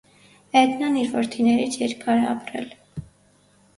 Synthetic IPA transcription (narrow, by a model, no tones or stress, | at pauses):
ɛd̪nɑniɾvɔɾt̪ʰinɛɾit͡sʰjɛɾkʰɑɾɛɑ̰pɾɛ̰l